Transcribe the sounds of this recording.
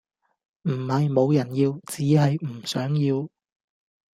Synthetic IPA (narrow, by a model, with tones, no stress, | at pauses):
m̩˨˩hɐ˨jmo˨˧wjɐ˨˩njiː˧wt͡siː˨˥ɦɐ˨jm̩˨˩sœː˨˥ŋjiː˧w